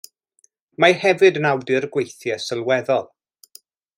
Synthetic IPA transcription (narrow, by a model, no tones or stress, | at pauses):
mahɛvɨdənawdɨrɡwejθjɛsəlˠwɛðɔlˠ